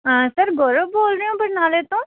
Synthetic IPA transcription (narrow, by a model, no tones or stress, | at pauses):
sɐɾɡoːɾoboːlɾəjõːbɐɽnaːlet̪õː